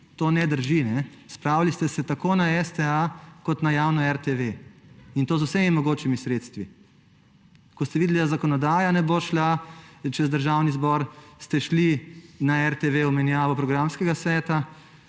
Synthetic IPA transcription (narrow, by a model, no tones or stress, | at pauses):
t̪oːnɛd̪əɾʒinɛ | spɾaːwlist̪ɛsɛt̪akoːnaɛst̪ɛakɔt̪najaːwnɔɛɾt̪eʋeint̪oːzowsemimɔɡoːt͡ʃimisɾeːt̪st̪ʋi | kɔst̪ɛʋid̪ɛlid̪azakɔnɔd̪aːjanɛboːʃlat͡ʃɛzd̪əɾʒawnizbɔɾst̪ɛʃlinaɛɾt̪eʋeɔmɛnjaːʋɔpɾɔɡɾamskɛɡasʋɛːt̪a